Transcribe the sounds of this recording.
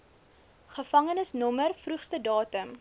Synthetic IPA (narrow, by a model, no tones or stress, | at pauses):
χəfɐŋənəsnɔmərfruχstədɑːtəm